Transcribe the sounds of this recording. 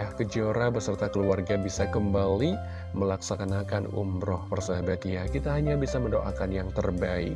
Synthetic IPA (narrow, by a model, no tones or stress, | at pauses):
jahkəd͡ʒoɾabəsərt̪akəluarɡabisakəmbali | məlaksakanakanṵmɾɔhpərsaɦabat̪jakit̪aɦaɲabisaməndoʔakanjaŋt̪ərbaɪ̰k̚